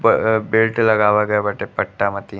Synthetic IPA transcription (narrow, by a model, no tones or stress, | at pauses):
bɪlʈlɐɡaːʋaɡɐjabɐʈepɐʈːamɐt̪i